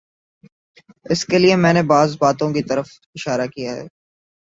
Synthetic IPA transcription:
ɪskeliemɛ̃ːnebaːzbaːt̪õkit̪ɐɾəf | ɪʃaːɾakijaɦɛ̰ː

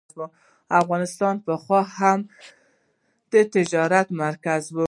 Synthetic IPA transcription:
bu | afɣɑnɪst̪ɑnpəxwɑham | d̪̥ət̪ɪd͡ʒɑɾat̪maɾkazbu

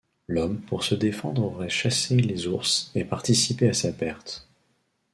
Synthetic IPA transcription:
lɔmpuʁsəd̪efɑ̃d̪ʁoʁɛʃaselezuʁsepaʁt̪isipeasapɛʁt̪

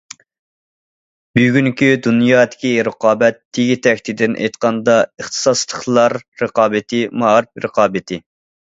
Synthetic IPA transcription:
byɡʲyŋkʲyd̪unjɑːd̪ɪ̥kʲiɾəqɑːbɛt̪ʰːeɡʲit̪ʰɛkʲt̪ʰɪd̪ɪnʔɛ̰jt̪qʰɑnd̪ɑəχt̪ʰɨ̥sɑslˠəχlˠɑɾːəqɑːbɪt̪ʰɪmɑɾɪpɾə̰qɑːbɪt̪ʰɪ

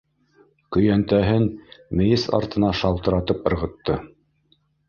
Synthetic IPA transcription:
kɵ̆jænt̪æɦɘnmɘ̆jɘsɑ̰ɾt̪ɤ̆nɑʃɑlˠt̪ɤ̆ɾɑt̪ɤpɤ̆ɾʁɤ̆t̪ːɤ

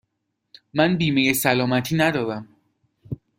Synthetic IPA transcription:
mænbiːmejesælɒːmæt̪ʰiːnæd̪ɒːd̪æm

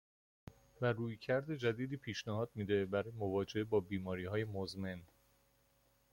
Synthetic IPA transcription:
væɾuːjcʰæɾd̪e̞d͡ʒæd̪iːd̪iːpʰiːʃnæɦɒːd̪̥̚miːd̪e̞bæɾɒːjemo̞vɒːd͡ʒe̞bɒːbiːmɒːɾiːhɒːje̞mozme̞n

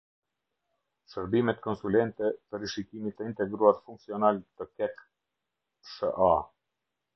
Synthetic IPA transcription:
ʃəɾbimɛt̪kɔnsulɛnt̪ɛpəɾiʃikimit̪əint̪ɛɡɾuaɾfuŋksiɔnalt̪əkɛk | ʃə̰ʔa

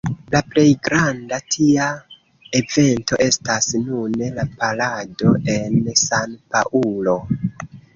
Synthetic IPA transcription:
laple̞jɡɾandatʰia | e̞ve̞nto̞̰ʔe̞stasnunelapalado̞e̞nsanpa̰ʔulo̞

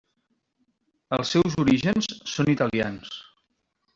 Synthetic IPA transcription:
əlˠsɛwzuɾiʒənsːonit̪əlia̰ns

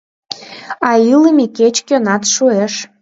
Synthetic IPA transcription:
ɑiləmeket͡ɕkʲønɑt̪ʃueʃ

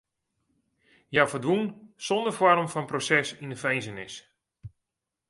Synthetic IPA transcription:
jafədʋunsɔndərfɔrmfɔnprosɛsinəfɛjnzənɪs

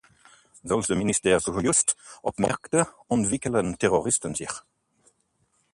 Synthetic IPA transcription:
ðɔlsəmɪnɪst̪eːʁsuhʊjʉst̪ʔɔpmæ̰ʁkt̪ə | ɔmvɪkələnt̪ʰɛʁʊʁɪst̪ənsḭːʁ

